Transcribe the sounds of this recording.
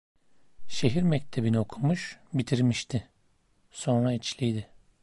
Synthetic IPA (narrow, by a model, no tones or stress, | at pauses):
ʃe̞ɦiɾmɛc̚t̪ʰe̞binio̞kʰumuʃbit̪ʰiɾmiʃt̪ʰɪ | so̞nɾait͡ʃlʲijd̪ɪ